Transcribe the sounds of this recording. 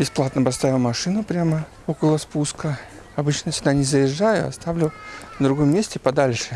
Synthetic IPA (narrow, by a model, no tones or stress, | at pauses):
bʲɪsplˠat̪nəpɐst̪avʲɪlˠmɐʂɨnʊpɾʲamə | o̞kəlˠəspuskə | ɐbɨt͡ɕnəsʲɪɡd̪anʲɪzəjɪʐːajʊ̰ɐ̰st̪avlʲʊnəd̪ɾʊɡomːʲesʲtʲɪpɐd̪alʲʂɨ